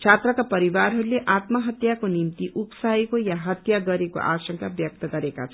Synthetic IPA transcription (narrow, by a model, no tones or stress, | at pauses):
t͡sʰat̪rʌkapʌɾibaɾɦʌɾuleʔat̪mʌɦʌt̪jakonimt̪iʔupsaekojaɦʌt̪jaɡʌɾeko̰ʔa̰sʌŋkabjʌk̚t̪ʌɡʌɾeka̰t͡sʰʌ